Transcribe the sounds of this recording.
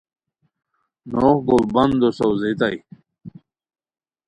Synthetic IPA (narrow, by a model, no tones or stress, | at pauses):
nohɡolbɐnd̪osowzet̪aj